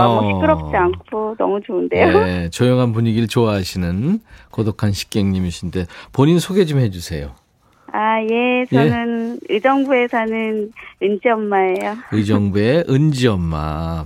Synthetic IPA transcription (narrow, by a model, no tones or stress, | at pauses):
ʌɕʰikɯɾʌp̚t͡ɕ͈iankʰonʌ̰mut͡ɕoɯnde̞jot͡ɕʌjoŋɦanpuɲiɡiɭt͡ɕoaɦaɕʰinɯnkodokʰanɕʰi̥k͈eŋɲimiɕʰinde̞poɲinsʰoɡe̞d͡ʑumhe̞d͡ʑusʰe̞jo | ajet͡ɕʌnɯnɯd͡ʑʌŋbue̞sʰanɯnɯnd͡ʑiʌmːaejoɯd͡ʑʌŋbue̞ʔɯnd͡ʑiʌmːa̰